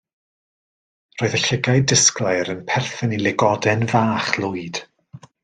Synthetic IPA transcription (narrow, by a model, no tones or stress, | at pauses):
r̥oːɨðəɬɪɡaɨdəsklˠajɾənpʰɛrθənilˠɪɡɔdɛnvaːχlˠʊɨd̥